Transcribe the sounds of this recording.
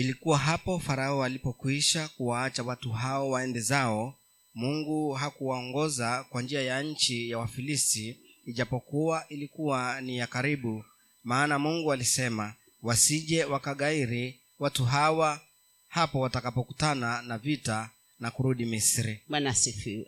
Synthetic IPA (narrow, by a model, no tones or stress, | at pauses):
ilikuwaɦapɔfaɾaɔalipɔkwiʃakuwaat͡ʃawatuɦaɔwaɛndɛzaɔ | muŋɡuɦakuwaɔŋɡɔzakwand͡ʒiajaɲ̩t͡ʃijawafilistiːʄapɔkuaʔilikuwanijakaɾiɓu | maːnamuŋɡualisɛma | wasiʄɛwakaɠaiɾi | watuɦawa | hapɔwatakapɔkutananavita | nakuɾuɗimisɾiɓanasifi